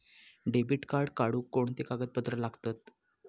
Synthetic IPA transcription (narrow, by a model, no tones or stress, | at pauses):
ɖebiʈkaɾɖkaɽuːkːoɳt̪ekaɡət̪̚bət̪ɾəlaɡt̪at̪